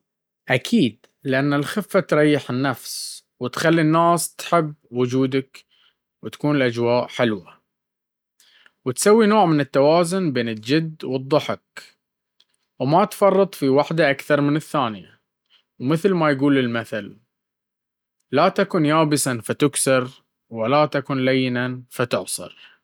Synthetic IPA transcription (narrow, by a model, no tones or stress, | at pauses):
ʔakʰiːd̪ | lɪʔanːalxɪfːat̪ɾˤɑjːɪħɪnːafs | wɪt̪xalːinːaːst̪ħɪbːwʊd͡ʒuːd̪ak | wɪt̪ḁkuːnɪlʔad͡ʒwaːʔħɪlwa | wɪt̪sawːinoːʕmɪnɪt̪ːawaːzʊnbeːnɪld͡ʒɪd̪ːwɨd̪ˤːʊħɪk̚ | wmat̪fɑrˤːɨt̪ˤfiwaħd̪aʔakθɑɾˤmɪnɪθːaːnɪja̰ | wmɪθlmajɡuːlɪlmaθal | at̪akʊnjaːbɪsafat̪ʊksɪɾ | wɪlat̪akʊnlajːɪnanfat̪ʊʕsˤɨ̰ɾ